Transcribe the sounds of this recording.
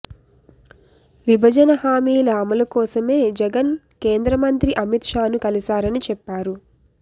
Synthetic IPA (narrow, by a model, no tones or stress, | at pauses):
ʋibʱɐd͡ʒɐnɐɦaːmiːlɐːmɐlɐkɔːsɐme̞ːd͡ʒɛɡɐn | keːnd̪ɾɐmɐnt̪ɾiʔɐmit̪ʂaːnukɐlisaːɾɐnit͡ʃɛpːaːɾu